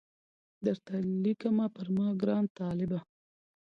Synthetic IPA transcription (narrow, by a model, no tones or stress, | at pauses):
d̪əɾt̪alikamɑpəɾmɑɡɾɑːnt̪ɑːlɪba